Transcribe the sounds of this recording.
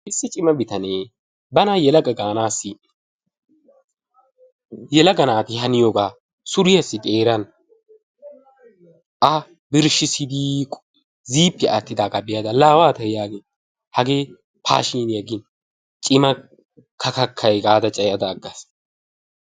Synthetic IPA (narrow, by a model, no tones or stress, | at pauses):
ʔɪsːɪt͡ʃʼɪmɐbɪt̪ɐneː | bɐnajɛlɐɡʼɐɡaːnaːsːɪ | jɛlɐɡɐnaːt̪ɪɦɐnɪjoɡaː | sʊɾɪjɐsːɪt̪ʼeːɾɐn | ʔɐ | bɪɾʃɪsɪd̪ikʼ | ziːpːɪʔat̪ːɪd̪aːɡabɪjɐd̪ɐlaːwaːt̪ɐjaːɡɪn | hɐɡe̞ː | pʰa̰ːʃiːnjɐɡɪn | t͡ʃʼɪmɐ | kʰɐkɐkʰːɐjɡaːd̪ɐt͡ʃʼɐjɐd̪ɐːɡːɐs